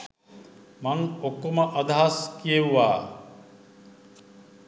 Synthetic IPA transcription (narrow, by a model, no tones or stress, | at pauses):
maŋokːoməʔad̪ʱaɦaskijeʋʋaː